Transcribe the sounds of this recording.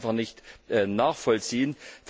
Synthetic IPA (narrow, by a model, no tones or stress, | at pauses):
nfaχnɪçtʔɛnaːχfɔlt͡siːənf